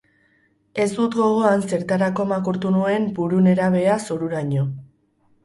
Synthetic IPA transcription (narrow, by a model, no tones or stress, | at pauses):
e̞zd̪ut̪ɡo̞ɣ̞o̞anse̞ɾt̪aɾako̞makuɾt̪unue̞mbuɾune̞ɾaβ̞e̞asoɾuɾaɲo̞